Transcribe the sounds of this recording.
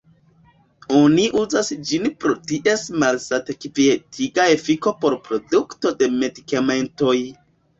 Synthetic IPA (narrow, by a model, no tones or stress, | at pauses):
oniʔuzasd͡ʒinpɾo̞tiʔe̞smalsatekipietʰiɡaefiko̞po̞ɾpɾo̞dukto̞de̞me̞dikamento̞j